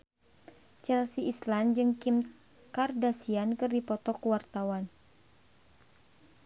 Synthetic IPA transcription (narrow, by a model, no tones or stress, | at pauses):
t͡ʃɛlsiʔisland͡ʒɨŋkim | kardasiankɨrdipɔt̪ɔkwart̪awan